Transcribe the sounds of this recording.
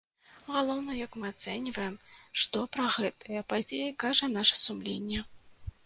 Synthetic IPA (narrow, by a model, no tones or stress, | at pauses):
ɣalˠɔwn̪ɐjɐkmɨat̪sɛnʲivɐjɛmʂt̪ɔpɾɐɣɛt̪ʰɨjɐpad͡zʲejɐkaʐɐnaʂɐ̥sumlʲenʲːɛ